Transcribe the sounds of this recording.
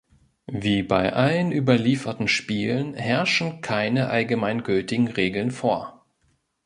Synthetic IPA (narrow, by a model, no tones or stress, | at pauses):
viːbaɪʔalənʔyːbɐliːfɐtn̩ʃpiːlənhɛɐʃn̩kʰaɪnəʔalɡəmaɪnɡʏltɪɡŋ̩ʁeːɡl̩nfoːɐ